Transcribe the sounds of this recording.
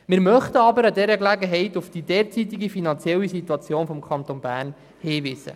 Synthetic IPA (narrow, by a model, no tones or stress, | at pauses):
mɪɾmœχtəɑbəɾɑd̪ɛɾəklæɡəɦɛɪt̪ufd̥id̪ɛːɾt͡sit̪iɡifinɑnt͡sjɛlːisit̪uɑt͡sjoːnfɔmkʰχɑnt̪onbæːɾn | heːvisə̰